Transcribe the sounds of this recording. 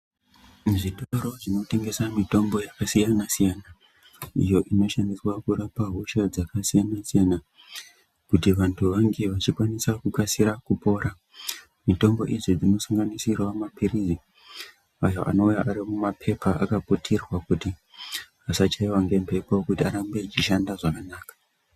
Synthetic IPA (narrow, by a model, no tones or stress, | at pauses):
ʐitoɾo̞ʐino̞te̞ŋɡe̞samito̞mbo̞jakasijanasijana | ijo̞ʔino̞ʃandiswakurapaɦuʃad͡zakasijanasijana | kutiʋantʰuʋaŋɡe̞ʋat͡ʃikwanisakukasiɾakupo̞ːɾa | mito̞mbo̞̰ʔiʐid͡zino̞saŋɡanisirwamapirizi | ajo̰ʔa̰no̞ujaʔaɾimumapʰe̞pʰaʔakapotʰerwakuti | asat͡ʃaiwaŋɡe̞mpʰe̞pakutiaɾambet͡ʃiʃandaʐakanaːkḁ